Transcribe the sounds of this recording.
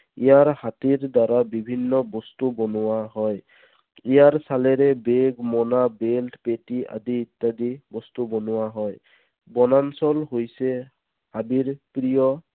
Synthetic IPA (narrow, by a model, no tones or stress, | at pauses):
ijaɹhatiɹdaɹabibʱinːɔbɔstubɔnʊwaɦɔj | ijaɹsalɛɹɛbeɡmɔnabeltpetia̰diːt̪ːadibɔst̪ubɔnʊwaɦɔj | bɔnansɔlɦojsɛ | habiɹpɹijɔ